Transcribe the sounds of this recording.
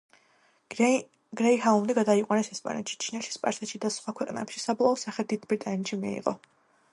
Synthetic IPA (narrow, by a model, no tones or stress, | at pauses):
ɡɾɛiɦaumd̪iɡad̪aiqʼwanɛsɛspʼa̰nɛ̰t̪ʃi̥t͡ʃʰinɛlʃi̥spʼa̰ɾsɛt̪ʃid̪asχwakʰwɛqʼnɛ̰pʃisablˠaɔsaχɛd̪id̪bɾit̪ʼanit̪ʃimḭḭqʼɔ̰